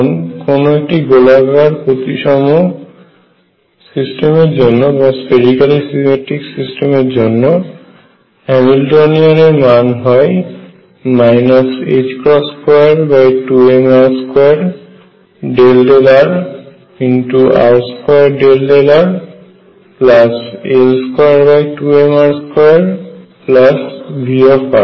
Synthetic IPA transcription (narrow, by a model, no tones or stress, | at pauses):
nkonoek̚ʈiɡolaɡaɾpot̪iʃɔmo | sisʈemeɾd͡ʑonːobaspeɖikalisimeʈiksisʈemeɾd͡ʑonːo | ɛmilʈonianeɾmanɦɔe | majnased͡ʑkɾɔskɔjaɾbajʈuemaɹskɔjaɹ | ɖelɖelaɹ | intua̰ɹskɔjaɹɖelɖelaɹ | plaselskɔjaɹbajʈuemaɹskɔjaɹplasbʱiɔfa̰ɹ